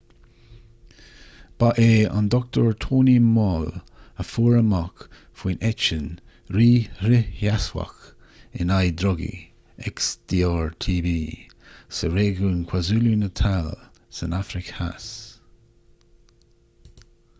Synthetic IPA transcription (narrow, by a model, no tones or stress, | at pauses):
b̥aʔeːa̰nd̪ɔk̚t̪əɹt̪ʰoːnimɔːl | əfuːɹəmak | fwiːnʔɛt͡ʃən | ɾiːɾɪjaswa̰k | ɪnajd̪ɾɔɡḭ | ɛksd̪̥iːɔːɹt̪ʰiːviː | səɾeːɡuːnkʰwazuːlunət̪ʰal | sənafɾɪkha̰s